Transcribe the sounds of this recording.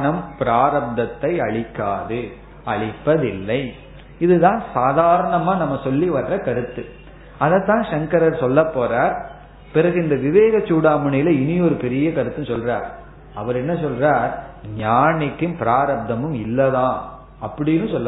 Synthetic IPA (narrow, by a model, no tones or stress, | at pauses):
nɐmpɪɾaːɾɐb̚d̪ɐt̪ːɐɪɐɭɪkːaːðɯ | ɐɭɪpːɐðɪlːɐɪ | ɪðɯt̪ãːsaːðaːɾɐɳɐmaːnɐmːɐsɔlːiʋɐɾrɐkɐɾɯt̪ːɯ | ɐðɐt̪ːãːʂɐŋkɐɾɐɾsɔlːɐpːoːraːɾ | pɪɾɐɣɯɪnd̪ɐʋɪʋeːɣɐt͡ʃːuːɽaːmɯɳɐjɪlɐɪnɪɔɾɯpɛɾɪjɐkɐɾɯt̪ːɯsɔlraːɾ | ɐʋɐɾɛnːɐsɔlraːɾɲaːnɪkːɯmpɪɾaːɾɐb̚d̪ɐmɯmɪlːɐðãː | ɐpːɐɽɪjnːɯsɔlːɐ